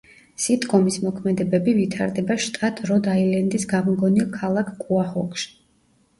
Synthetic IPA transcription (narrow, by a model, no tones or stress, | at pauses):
sid̪ʼkʼɔmismɔkʰmɛd̪ɛbɛbivit̪ʰa̰ɾd̪ɛbaʃt̪ʼat̪ʰʼɾɔd̪ailɛnd̪isɡavmɡɔnilˠkʰalˠakʰkʼuahɔkʰʃ